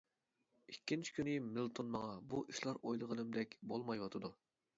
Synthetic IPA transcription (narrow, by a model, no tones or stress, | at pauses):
ikʲːint͡ʃʰi̥kʲynɪmilˠt̪ʰonmɑŋɑbuʔiʃlˠɑɾojlˠəʁənɨmd̪ɛkʲbolˠmɑjwɑt̪ʰɨd̪u